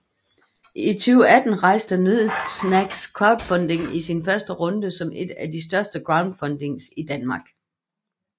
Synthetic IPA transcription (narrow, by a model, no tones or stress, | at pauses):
it͡sʰyːʊəæd̥n̩ʁɑ̈ɪ̰sd̥ənyð̰ˠsnæɡ̥skʰʁɑ̈ʊd̥fɒ̽nd̥e̝ŋisinfɶɐsd̥əʁɔ̽nd̥əsɒ̽me̝d̥æd̥isd̥ɶɐsd̥əɡ̥ʁɑ̈ʊnd̥fɒ̽nd̥e̝ŋsid̥ænmɑ̈ːɡ̥